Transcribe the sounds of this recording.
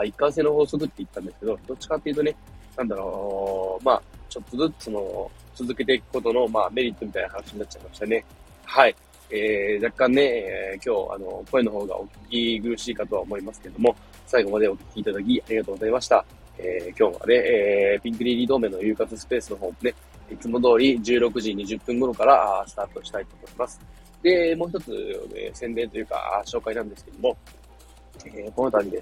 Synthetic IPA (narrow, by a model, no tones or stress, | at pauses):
aikːãs̬e̞ːno̞ho̞ːsok̬ɯ̟t̪ːeit̪ːãnd̪esɨ̥ke̞d̪o̞d̪o̞t͡ɕi̥kat̪ːe̞iɯ̟t̪o̞ne̞ | nãnd̪aɾo̞ːma̰ːt͡ɕo̞t̪ːo̞zɨt͡sɨso̞no̞ | t͡sɨzɨke̞t̪e̞ikɯ̟̥ko̞t̪o̞no̞maːme̞ɾʲit̪ːo̞mʲit̪ainahanaɕiɲ̟nat̚ːt͡ɕaimaɕi̥t̪ane̞ | hai | eːd͡ʑakːãnːe̞eːkʲo̞ːa̰no̞̰ko̞e̞no̞ɦo̞ːɡa̰ʔo̞̰kʲi̥kʲiɡɯɾɯ̟ɕiːkat̪o̞a̰omo̞imasɨ̥ke̞ɾe̞d̪o̞mo̞ | saiɡo̞mad̪e̞okʲi̥kʲiːt̪ad̪ak̬ʲiaɾʲiɡat̪o̞ːɡo̞zaimaɕi̥t̪a | eːkʲo̞ːβa̰ne̞ːpʲĩŋkɯ̟ɾʲiɾʲid̪o̞ːmẽ̞nːojɯ̟ːkat͡sɨsɨ̥pe̞ːsɨno̞ɦo̞ːmone̞ | it͡sɨmo̞d̪o̞ːɾʲid͡ʑɨːɾo̞kɯ̟ʑiɲ̟iʑɨpːɯ̟̃ŋɡo̞ɾo̞kaɾaasɨ̥t̪aːt̪oɕi̥t̪ait̪o̞ːmo̞imasɨ̥ | d̪e̞mo̞ːçi̥t̪o̞t͡sɨ̰ḛsẽ̞nd̪ẽ̞nt̪o̞jɯ̟ːka̰a̰ɕo̞ːkainãnd̪e̞sɨ̥keed̪omo̞ | eko̞not̪aɲʲid̪e̞